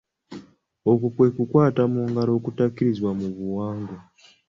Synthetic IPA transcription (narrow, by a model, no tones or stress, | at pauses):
okokwe̞kukwaːtamuŋɡaɾokutakiɾizwamuβuwaːŋɡo